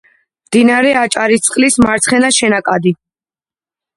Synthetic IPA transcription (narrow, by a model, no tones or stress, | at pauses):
md̪inaɾɛat͡ʃʼaɾit̪sʼqʼlismaɾt̪sʰχɛnaʃɛnakʼad̪i